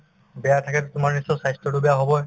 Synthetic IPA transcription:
bɛjatʰakɛtʊtʊmaɹnisɔsajstɹɔtubɛjaɦɔbɔj

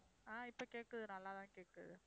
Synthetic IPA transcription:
aːɪpːɐkeːʈːɐðɯnɐlːaːt̪ãːkeːʈːɾɐ̰ðɯ

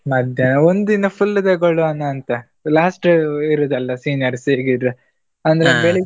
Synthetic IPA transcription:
mɐd̪ʱjɐnɐond̪inɐpʰulːid̪eɡoɭːuɐnːɐːnt̪ɐ | laːsʈiɾud̪ɐlːɐsiːnijɐɾseːɡid̪ɾu | ɐnd̪ɐɾebeɭi

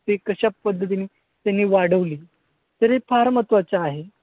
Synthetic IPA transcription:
t̪ekəɕapːəd̪ʱːət̪iniː | t̪janːiːʋaɽəʋliː | t̪əɾepaɾmət̪ʋat͡saːɦe

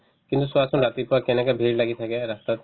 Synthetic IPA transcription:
kint̪usuasɔmɾat̪ipuakenɛkabʱiɾlaɡit̪ʰakeɾast̪at̪

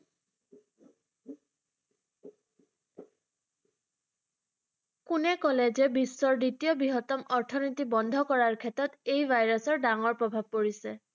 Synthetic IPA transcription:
kʊnɛkɔlɛd͡ʒɛbisːɔɹditijɔbiɦɔtɔmɔɹtʰɔnitibɔnd̪ʱɔkɔɹaɹkʰɛtɔtejbʱajɹɔsɔɹdaŋɔɹpɹɔbʱab̚poɹisɛ

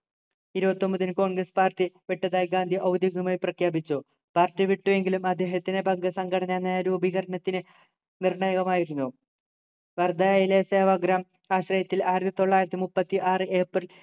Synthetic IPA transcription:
iɾubɐt̪ːo̞mbɐðinɨko̞ːɳɡrɐspaːrʈiʋiʈːɐðaːjɡaːnd̪ʱiʔɐwd̪jiɣɐmaːjiprɐkʰjaːbit͡ɕːu | paːrtiʋiʈːue̞ŋɡilumɐd̪ʱːe̞ːɦɐt̪ːinebɐŋɡɐsɐŋɡʱɐɽɐnɐnːajɾuubʱiɣɐɾɐɳɐt̪ːinɨ | nirɳɐjɐɣɐmaːjiɾunːu | ʋɐrd̪aːjilese̞ːʋaːɡɾaːm | aːɕrɐjɐt̪ːilaːjɾɐt̪ːit̪o̞ɭːaːjiɾɐt̪ːimupːɐt̪ːiʔaːrɨeːprɨl

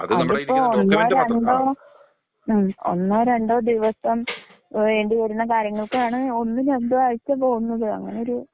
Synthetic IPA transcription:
ɐðipːoːɭonːoːɾeɳɖoː | mo̰nːoːɾeɳɖoːd̪iʋɐsɐm | ʋe̞ːɳɖiʋɐɾunːɐkaːɾjɐŋːɐɭokːejaːɳɨo̞nːinend̪uʋaːɻit͡ɕːɐpo̞ːɣunːɐðɨɐ̰ŋːɐneo̞ɾu

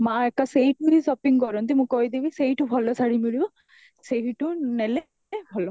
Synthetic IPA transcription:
maɛk̚asejituisɔpiŋkɔɹɔ̃nt̪imʊ̃kojd̪ebiseɦitʊbʱɔlːɔsaɹimilibɔ | seɦitʊnɛlɛ | ɛbʱɔlɔ̃

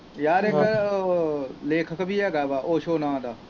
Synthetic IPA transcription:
jaːɾɪk | leːkʰəkbʱiːɦɛːɡaːbaːʔoːʃoːnãːd̪aː

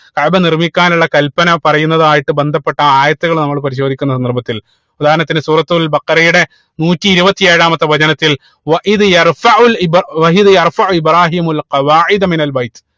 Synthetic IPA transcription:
kɐʕbɐnirmikʲːaːnuɭːɐkɐlpːɐnɐpɐrɐjunːɐðaːjiʈːɨbe̞nd̪ʱɐpːe̞ʈːɐaːjɐt̪ːuɣɐɭnɐmːɐɭpɐɾiɕ̬o̞d̪ikʲːunːɐs̬ɐnd̪ɐrbɐt̪ːil | ud̪aːɾɐnɐt̪ːinsuːrɐt̪ːulbɐqɐɾɐjuɽe̞ | nuːtːiːɾubɐt̪ːijeːɻaːmɐt̪ːɐʋɐd͡ʑɐnɐt̪ːil | ʋɐʔiðjɐrfɐʕulbʋɐiðɨjɐrfɐʕuibɾaːɦiːmulqɐʋaːʕid̪ɐminɐlbɐjt̪

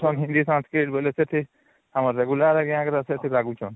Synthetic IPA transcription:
t͡ʃʰɔnɦĩnd̪isãnskɾiʈboleset̪ʰi | həməɾːeɡulaɾɛɡeãkɾaset̪ʰiɾaːɡũt͡ʃʰɔːn

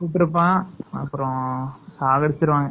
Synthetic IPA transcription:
suʈːɾɯpːãːɐ̰pːɯɾõsaːɡɐɽɪt͡ɕːɪɾɯʋãːŋɡɐ

